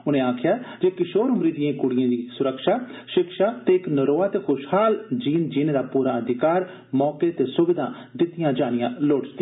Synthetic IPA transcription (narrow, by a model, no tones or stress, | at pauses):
ʊnẽːaːkʰɪjaːd͡ʒekɪʃoːɾɦʊɾiːd̪ɪjãːkʊɽɪjãːd̪iːsʊɾəkʃaːʃɪkʃaːt̪eːɪknəɾoːaːt̪eːkʊʃhaːld͡ʒiːnd͡ʒiːned̪aːpuːɾaːəd̪ʱɪkaːɾ | mɔːket̪eːsʊbɪd̪ʱã̰ː | d̪ɪt̪ːɪjãːd͡ʒaːnɪjãːloːɽd͡ʒt̪ː